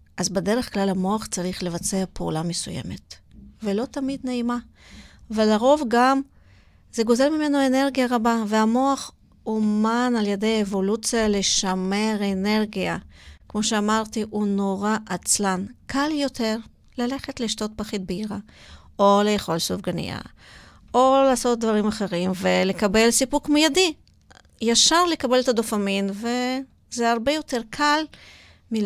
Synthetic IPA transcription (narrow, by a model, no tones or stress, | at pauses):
ʔazbede̞ʁeχklalhamo̞aχt͡saʁiχle̞vat͡se̞apʰeṵlamesujḛmet | velo̞t̪amid̪neima | velaʁo̞vɡam | z̥e̞ɡo̞ze̞lmime̞noene̞ʁɡijaʁabaveamo̞aχ | omanaljede̞jaevo̞lut͡sijale̞ʃameʁene̞ʁɡiakmo̞ʃeamaʁt̪iʔunoʁaʔat͡slankaljo̞te̞ʁ | lale̞χet̪liʃto̞t̪̚paχit̪̚beiʁa | olejeχo̞lsofɡanḭa̰ | olaːso̞t̪̚d̪vaʁimaχe̞ʁimvele̞kabe̞lsipuʁkmojadi | jaʃaʁle̞kabe̞let̪ad̪o̞faminve̞ | zeaʁbe̞jo̞te̞ʁkʰal | mi